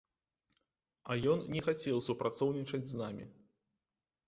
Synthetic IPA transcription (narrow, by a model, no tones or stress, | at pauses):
ɐjɔnnʲɛxat͡sʲɛwsupɾat̪sɔwnʲit͡ʂɐd͡zʲznamʲḭ